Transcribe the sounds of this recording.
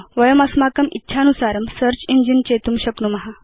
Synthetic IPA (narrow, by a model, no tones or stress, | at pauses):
ʋəjəmɐsmakəmitːɕʰanusaɾəmsəɾt͡ɕind͡ʑint͡ɕet̪umɕəknumɐɦa